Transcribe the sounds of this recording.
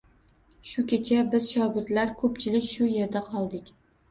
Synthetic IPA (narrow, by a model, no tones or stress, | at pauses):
ʃʊkʲʰet͡ʃʰabɪz̥ʃɒɡʲɪɾd̪laɾkʰɵpt͡ʃʰɪlɪkʲʃʊje̞ɾd̪aqʰɒlˠd̪ɪkʲ